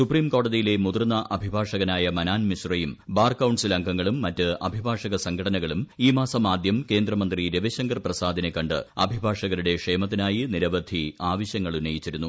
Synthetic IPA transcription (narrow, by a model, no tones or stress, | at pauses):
supriːmko̞ːɽɐðijile̞mud̪ɐrnːɐʔɐbʱibʱaːʂɐɣɐnaːjɐmɐnaːnmiɕrɐjumbaːrkːɐwɳɖsilɐŋɡʱɐŋːɐɭumːɐtːɨʔɐ̰bʱibʱaːʂɐɣɐsɐŋɡʰʱɐɽɐnɐɣɐɭumiːmaːsɐmaːd̪jɐmke̞ːnd̪rɐmɐnd̪riɾeʋɐɕɐŋɡɐrprɐsaːd̪ʱɐne̞kːɐɳɖɨ̰ɐ̰bʱibʱaːʂɐɣɐɾuɽe̞kʂeːmɐt̪̬ːinaːjiniɾɐʋɐd̪ʱiaːʋɐɕjɐŋːɐɭunːɐjit͡ɕːiɾunːu